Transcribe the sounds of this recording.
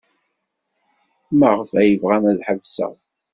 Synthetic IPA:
məʁəfæjəvʁæmæðħəvsə̰ʁ

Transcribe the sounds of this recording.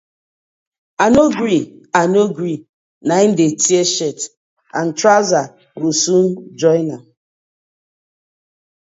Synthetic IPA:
anoɡɾianoɡɾi | nain̩detieʃɛt | a̰ntɾaza | ɡosund͡ʒɔjna

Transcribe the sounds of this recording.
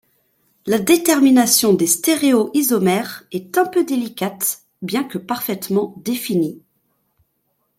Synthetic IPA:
lad̪et̪ɛʁminasjɔ̃d̪est̪eʁeoʔizɔmɛʁɛt̪ɛ̃pød̪elikʲat̪ | bjɛ̃kəpaʁfɛt̪mɑ̃d̪efini

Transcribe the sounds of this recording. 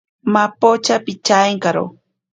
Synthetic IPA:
mapot͡ʃapit͡ʃaeŋkaɾo̰

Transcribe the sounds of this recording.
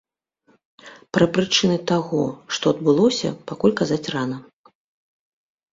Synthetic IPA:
pɾɐpɾɨt͡ʂɨnɨt̪aɣɔʂt̪ɔɐd̪bɨlˠɔsʲɐ̰pakulʲkazat͡sʲranɐ

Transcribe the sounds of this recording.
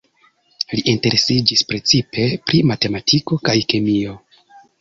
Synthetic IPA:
liʔinte̞ɾe̞sid͡ʒispɾe̞t͡sipe̞pɾimate̞matʰiko̞kajkemio̞

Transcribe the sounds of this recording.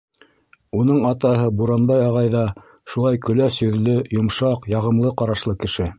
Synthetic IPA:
unɤɴɑt̪ɑɦɤbuɾɑnbɑjɑʁɑjðɑ | ʃulˠɑjkɵ̆læsjɵ̆ðlɵjŏmʃɑqjɑʁɤ̆mlˠɤqɑɾɑʃlˠɤkɘ̆ʃɘ

